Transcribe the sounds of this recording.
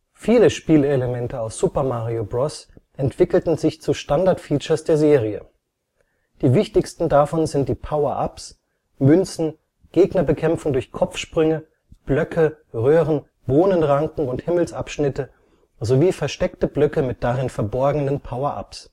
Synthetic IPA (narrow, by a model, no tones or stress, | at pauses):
fiːləʃpiːleləmɛntəaʊsz̥upɐmaʁiobʁɔsʔɛntv̥ɪkl̩tn̩zɪçt͡suʃtandaɐtfiːt͡ʃɐsd̥eːɐzeːʁ̞iə̰ | d̥iːvɪçtɪçstn̩dafɔnzɪnt̚d̥iːpʰaʊɐʔa̰ps | mʏnt͡sn̩ | ɡ̥eːɡnɐbəkʰɛmfʊŋdʊɐçkʰɔp͡fʃpʁ̥ʏŋə | b̥lœkʰə | ʁøːʁən | b̥oːnənʁaŋkŋ̩ʊnthɪml̩sʔapʃnɪtə | zoviːfɛɐʃtɛktəblœkəmɪt̚d̥aʁɪnfɛɐbɔɐɡŋ̩nənpʰaʊɐʔa̰ps